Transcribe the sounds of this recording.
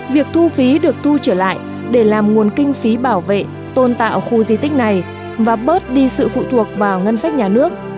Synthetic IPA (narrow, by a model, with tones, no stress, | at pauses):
vi˨˩ək̚t̪ʰu˧fi˨˦ɗɨ˨˩ək̚t̪ʰu˧t͡ɕəː˧˩la̰ː˧˨j | ɗe˧˩laː˨˩mŋu˨˩ənkï˧ŋ̟fi˨˦ɓaː˧˩wvḛ˧˨ | t̪o˧nt̪a̰ː˧˨wxu˧zi˧t̪ï˦˥ŋ̟̚na˨˩j | vaː˨˩ɓəː˦˥t̚ɗi˧sɨ̰˧˨fṵ˧˨t̪ʰu˨˩ək̚vaː˨˩wŋə˧nsa˦˥k̚ɲaː˨˩nɨ˦˥ək̚